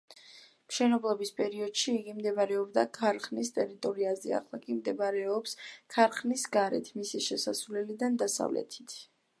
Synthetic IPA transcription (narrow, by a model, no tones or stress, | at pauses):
mʃɛnɔblˠɔbispʼɛɾiɔd̪̥ʃiːɡimd̪ɛvaɾɛɔbd̪akʰaɾχnist̪ʼɛɾit̪ʼɔɾiazɛ̰a̰χlˠakʼimd̪ɛbaɾɛɔpskʰaɾχnisɡaɾɛ̰t̪ʰmisiʃɛsasvlɛlid̪and̪asa̰vlɛ̰t̪ʰi̥t̪ʰ